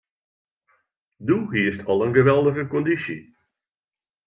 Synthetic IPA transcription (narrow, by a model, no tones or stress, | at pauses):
duɦiəstʰɑlˠənɣəʋɛlˠdəɣəkɔndisḭ